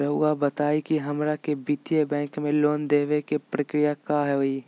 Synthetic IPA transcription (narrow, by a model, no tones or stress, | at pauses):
ɾəɦuːɡabət̪aːikiɦɐmɾakebit̪jebɛ̃ːŋkmẽloːnd̪eːʋekepɾɐkɾijakaːɦɛoi